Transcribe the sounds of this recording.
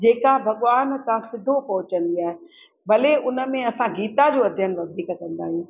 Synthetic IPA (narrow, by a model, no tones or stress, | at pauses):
d͡ʑeːkabʱɐɠʋaːnt̪asɪd̪ʱopɐɦʊt͡ɕə̃nd̪iaːɦe | bɐleʔʊnə̆mẽɐsãɡiːt̪ad͡ʑoːɐd̪ʱjənʋɐd̪ʱiːkkɐ̃nd̪a̰ːɦijũː